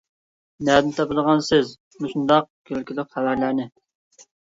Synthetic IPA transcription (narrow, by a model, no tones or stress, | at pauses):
næd̪nt̪ʰɑpɨlˠəʁɑnsɪz | muʃund̪ɑq̚kʲʰølkʲilɪk̚ʲχævæɾlæɾnɪ